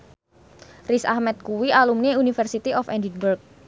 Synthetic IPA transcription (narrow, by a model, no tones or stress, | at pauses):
risa̰hmɛt̪̚kuwiʔalumneunifərsit̪iʔɔfɛ̰ndinburk̚